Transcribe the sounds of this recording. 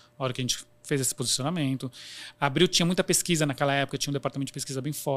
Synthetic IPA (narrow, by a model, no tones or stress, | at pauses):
ɔɾɐkɪɐʒẽnt͡ʃɪ̥ | fejzesɪ̥pozisionamẽnt̪ʊabɾiwt͡ʃĩɲɐmũj̃t̪ɐpeskizɐnakɛlɐɛpʊkɐt͡ʃĩɲɐ̃d̪epaɾt̪aɐmẽt̪ʊd͡ʒ̥peskizɐbẽj̃fɔ